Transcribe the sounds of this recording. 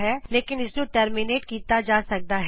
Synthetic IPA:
ɦɛːleːkɪnɪsnũːʈəːɾmɪneːʈ̚kiːt̪ad͡ʒaːsɐk̚d̪aːɦ

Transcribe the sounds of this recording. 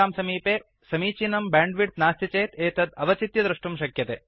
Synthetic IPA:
aːmsɐmiːpeː | sɐmiːt͡ʃinɐmbaːɳɖʋiɖt̪̚naːst̪ɐt͡ʃeːt̪eːt̪ɐd̪ɐʋɐt͡ʃit̪jɐd̪ɾuʂʈumʃɐkjɐt̪ḛː

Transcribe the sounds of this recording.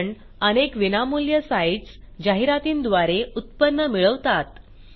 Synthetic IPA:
ɳ | ənekʋinamuljəsajt͡s | d͡ʑaɦiɾat̪iːnd̪ʋaɾeut̪̚pənːəmiɭəʋt̪at̪

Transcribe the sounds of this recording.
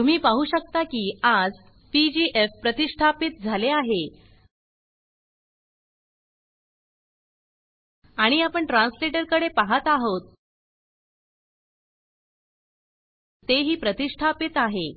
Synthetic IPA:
t̪um̤iːpaɦuːɕək̚t̪akiːad͡z | pid͡ʑiʔefpɾət̪iʂʈʰapit̪̚d͡zʱaleaɦe | aɽ̃iapəɳʈɾãnsleʈəɾkəɽepaɦat̪aɦot̪ | t̪eɦiːpɾət̪iʂʈʰapit̪aɦe

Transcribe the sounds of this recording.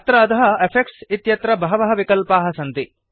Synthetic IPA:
t̪ɾɐːt̪ɐɦɐepʰek̚ʈsit̪jɐt̪ɾɐbɐɦɐʋɐɦɐʋikɐlpaːɦɐsɐnt̪i

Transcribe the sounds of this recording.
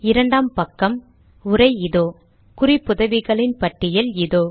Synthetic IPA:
ɪɾɐɳɖaːmpɐkːɐm | ʊɾɐɪɪðoː | kʊrɪpːʊðɐʋɪɣɐɭɪnpɐʈːɪjɐlɪðoː

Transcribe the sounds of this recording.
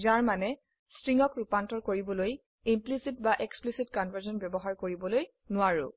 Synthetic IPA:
zaɹmanɛ | stɹiŋɔkɹupantɔɹkoɹibɔloj | implisitbaʔeksplisitkɔnvəzɔnbɛbɔɦaɹkoɹibɔloj | nʊaɹʊ̰

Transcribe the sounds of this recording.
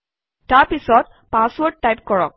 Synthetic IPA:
taɹpisɔt̚ | pãswɔɹd̚tajp̚kɔɹɔ̰k̚

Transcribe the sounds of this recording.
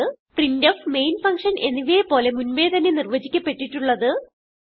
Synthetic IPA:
ɨprindofme̞jnfɐŋkʂɐne̞nːiʋijepo̞ːle̞munʋe̞ːd̪ʱɐnenirʋɐd͡ʑikʲːɐpːe̞ʈːiʈːuɭːɐðɨ

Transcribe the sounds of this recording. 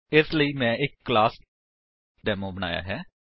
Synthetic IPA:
ɪsləiːmɛ̃ːɪkːlaːs | ɖɛːmoːbəña̰ːja̰ːɦɛː

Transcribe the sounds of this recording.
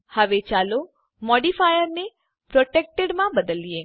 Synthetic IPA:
həʋet͡ʃalo | mɔɖifajəɾne | pɾoʈek̚ʈeɖmãbəd̪əlijẽ

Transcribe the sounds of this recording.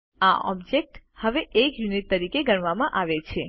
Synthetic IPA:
aʔɔ̰bd͡ʒek̚ʈhəʋeʔekjunit̚t̪ːəɾikeɡəɳʋamãʔaʋet͡ʃʰe

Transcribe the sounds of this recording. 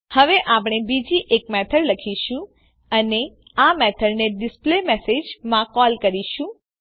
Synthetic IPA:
həʋeʔapɽ̃ebid͡ʒiʔekmɛt̪ʰəɽləkʰiʃũ | əne | amɛt̪ʰəɽneɖɪsplemɛsed͡ʒmãkɔlkəɾiʃũ

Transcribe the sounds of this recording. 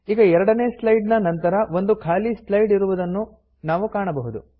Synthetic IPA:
iːɡɐɛɾɐɽɐneːslɐjɖnɐnɐnt̪ɐɾɐʋo̞nd̪ukʰaːlislɐjɖiɾuʋud̪ɐnːu | naːʋukaːɳɐbɐɦud̪u

